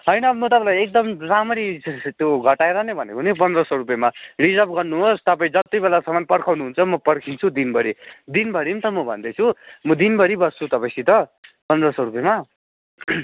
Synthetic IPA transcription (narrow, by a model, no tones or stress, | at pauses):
ɦʌjnʌmʌt̪ʌpãlajek̚d̪ʌmramʌɾit̪joɡʱʌʈaeɾʌnebʱʌnḛkoɦnipʌnd̪rʌsʌɾupjemarid͡zʌp̚ɡʌrnuɦost̪ʌpaĩd͡zʌt̪ijbelasʌmʌnpʌrkʰawnuɦunt͡sʰʌmʌpʌrkʰint͡sʰud̪inbʌɾid̪inbʱʌɾint̪ʌmʌbʱʌ̰nd̪ʌjt͡sʰumʌd̪inbʌɾibʌst͡sʰut̪ʌpajsʰit̪ʌ | pʌnd̪rʌsʌɾupjema